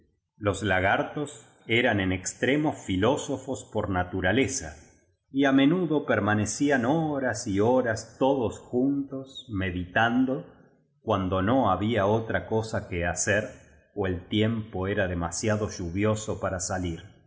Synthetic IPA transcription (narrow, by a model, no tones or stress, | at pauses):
lo̞zlaɣaɾt̪o̞s | e̞ɾanenekst̪ɾemosfilo̞so̞fo̞spo̞ɾnat̪uɾale̞sa̰ | iame̞nuðo̞peɾmane̞sianoɾasioɾast̪o̞ðosxunt̪o̞sme̞ðit̪and̪o̞ | kwand̪o̞no̞aβiaot̪ɾako̞sakeaseɾ | oe̞lt̪je̞mpoe̞ɾaðemasjaðo̞ʒuβjo̞sopaɾasaliɾ